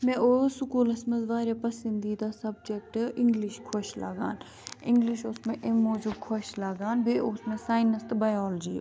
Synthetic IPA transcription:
mɛ̃ʔosʊkuːlɐsmɐzʋaːɾepɐsind̪iːd̪aːsɐb̚d͡ʒek̚ʈɪ̃ŋɡliʃkʰoʃla̰ɡa̰ːn | ɪ̃ŋɡliʃʊsmẽʔemoːd͡ʒub̚kʰoʃlaɡaːnbʱeʊsmẽsaːɪnɐst̪baːjaːld͡ʒḭː

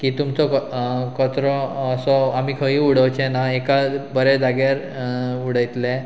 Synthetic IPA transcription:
kiːt̪umt͡sɔkət̪ɾɔəsɔamiːkʰəɦĩːuɽ̤əwt͡ɕɛnaekabəɾɛd͡zaɡaɾ | uɽəjt̪lɛ̃

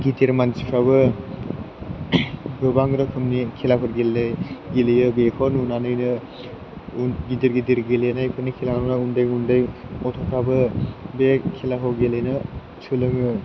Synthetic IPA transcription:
ɡitiɾmansi̥pʰɾaβɯ | bɯbaŋɡɾɯkʰɯmnikʰilakʰɯɾɡelːejɡilejɯbekʰɔnunanɯjnɯ | ɡidiɾɡidiɾɡilenajpʰɯnikʰilaŋɔwnaundɯjundɯjɔtʰɔkʰabɯbekʰilakʰawɡelejnɯ | sʰɯlɯŋɯ

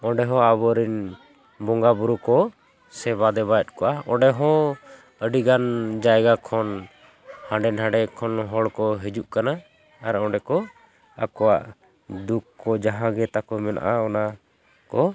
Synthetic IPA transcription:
ɔɖɛɦɔ̃abɔɾin | bɔŋɡabuɾukɔ | sɛβad̪ɛβajɔt̪̚ˀkɔʔaɔ̃ɖɛɦɔ̃ | əɖiɡand͡ʒajɡakʰɔn | hãɳɖɛnɦãɖɛkʰɔnɦɔɽkɔɦɛd͡ʒuʔkanaː | ɾɔ̃ɖɛkɔ | a̰kɔwaʔ | d̪ukːɔd͡ʒaɦãɡɛt̪akɔmɛna̰ʔaɔna | kɔ

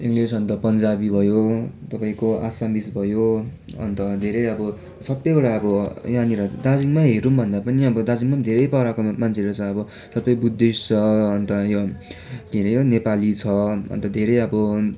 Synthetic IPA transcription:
iŋɡlisʌnt̪ʌpʌnd͡zabibʱʌjot̪ʌpaĩkoa̰sambisbʱʌjo | ʌ̰nt̪ʌd̪ʱeɾʌjʌbʌ | sʌbːʌjbʌɽaʌbʌjaniɾʌd̪ad͡ziŋmaɦeɾumbʱʌnd̪apʌniʌbʌd̪ad͡ziŋmad̪ʱeɾʌjpʌɾakomant͡sʰeɾot͡sʰʌʌbʌ | sʌbʌjbud̪ːist͡sʰʌʌnt̪ʌjo | k̪inʌjonepalit͡sʰʌʌ̰nt̪ʌd̪ʱeɾʌjʌbʌ

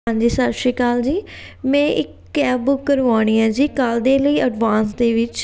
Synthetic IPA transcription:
ãɲd͡ʒiːsaːɾʃikaːld͡ʒiːmɛ̃ːʔɪkː | ɛːbbʊkːəɾaːɽ̃ĩːãːd͡ʒiːkaːld̪eːləiːʔəɖʋaːnsd̪eːʋɪt͡ʃ

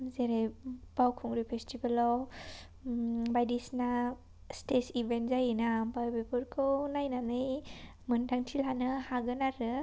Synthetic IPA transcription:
zeɾejb̥awkʰuŋɾipʰestibalɔw | bajdisna | stesibenzajinabajbepuɾkʰɯwnajnanɯj | mɯndaŋtʰilɦanɯhaɡɯnaɾɯ

